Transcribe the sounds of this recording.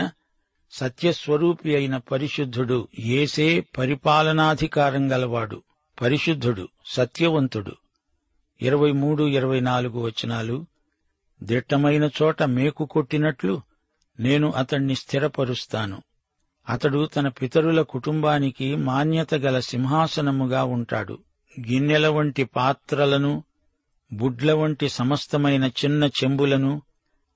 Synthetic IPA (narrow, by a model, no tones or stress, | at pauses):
ɐ | sɐt̪jɐsʋɐɾuːpijɐjnɐpɐɾiʂud̪ʱːuɽueːseːpɐɾipaːlɐnaːd̪ʱikaːɾɐŋɡɐlɐʋaːɽṵ | pɐɾiʂud̪ʱːuɽṵsɐt̪jɐʋɐnt̪uɽṵ | ḭɾɐʋɐjmuːɽuiɾɐʋɐjnaːluɡuʋɐt͡ʃːinaːlu | d̪iʈːɐmɐjnɐt͡ʃɔːʈɐme̞ːkuko̞ʈːinɐʈlu | ne̞ːnuʔɐt̪ɐɳːist̪ʰiɾɐpɐɾust̪aːnṵ | ɐt̪ɐɽut̪ɐnɐpit̪ɐɾulɐkuʈumbaːnikimaːnjɐt̪ɐɡɐlɐsimɦaːsɐnɐmuɡaːuɳʈa̰ːɽṵ | ɡinːjɛlɐʋɐɳʈipaːt̪ɾɐlɐnu | buɖlɐʋɐɳʈisɐmɐst̪ɐmɐjnɐt͡ʃinːɐt͡ʃe̞mbulɐnu